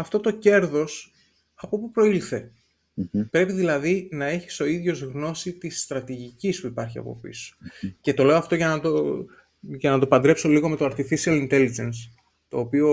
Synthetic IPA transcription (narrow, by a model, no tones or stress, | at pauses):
ɐft̪o̞t̪o̞ce̞ɾðo̞s | ɐpo̞pupɾo̞ilθe̞ | pɾe̞piðilɐðinɐe̞çi̥so̞iðʝo̞zɣno̞sit̪ist̪ɾɐt̪iʝicispuipɐɾçiɐ̰po̞̰pḭso̥ce̞t̪o̞le̞oɐft̪o̞ʝɐnɐt̪o | ʝɐnɐt̪o̞pɐnd̪ɾe̞pso̞liɣo̞met̪o̞ɐɾt̪ifisiɐlint̪e̞lid͡ʒe̞ns | t̪o̞ːpio̞